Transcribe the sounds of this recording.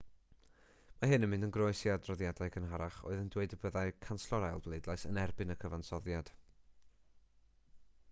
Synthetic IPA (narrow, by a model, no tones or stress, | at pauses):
maɦɨnəmɪndənɡroɨsjadrɔðjadaɨkʰənɦaɾaχo̰ɨðəndweɨdəbəðaɨkʰanslɔɾalˠblˠedlˠajsənɛrbɨnəkʰəvansɔðjad̥